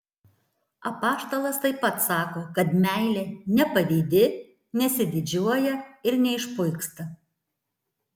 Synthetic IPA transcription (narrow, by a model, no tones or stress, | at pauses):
ɐpɑːʃt̪oːlˠɐst̪ɐɪpːɐt̪sɑːkoːkɐt̪mʲæˑɪlʲeːnʲɛpɐʋʲiːd̪ʲɪ | nʲɛsʲɪd̪ʲɪd͡ʒʲuɔjɛɪɾnʲɛɪʃpʊɪkst̪ɐ